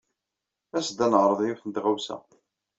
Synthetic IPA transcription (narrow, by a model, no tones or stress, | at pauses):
æsd̪ænəʕɾˤəðˤjuθənt̪ʁawsæ̰